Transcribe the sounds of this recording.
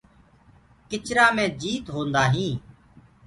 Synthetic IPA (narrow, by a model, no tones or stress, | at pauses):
kɪt͡ʃɾaːmẽːd͡ʒiːt̪ɦoːnd̪aːɦĩː